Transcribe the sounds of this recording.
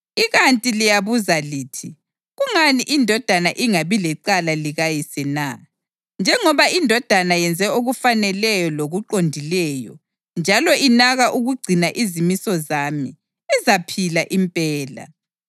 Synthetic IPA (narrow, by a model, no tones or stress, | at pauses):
iɣantʼilijaβuzaliːtʰi | ɣuŋaniʔindʱɔd̥ʱanaʔiŋaβilɛǀalaliɣajisɛna | nd͡ʒʱɛŋɔβaʔindʱɔd̥ʱanajɛnd͡zʱɛoɣufanɛlɛjɔloɣuǃondʱilɛːjɔ̰ | nd͡ʒʱalɔʔinaɣaʔuɣuɡ͡ǀʱinaʔizimisɔzaːmi | izapʰilaʔimpʼɛːla̰